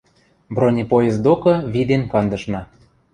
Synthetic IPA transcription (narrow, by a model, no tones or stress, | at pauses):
bronʲepojezd̪okɤ̆βid̪enkɑnd̪ɤ̆ʃnɑ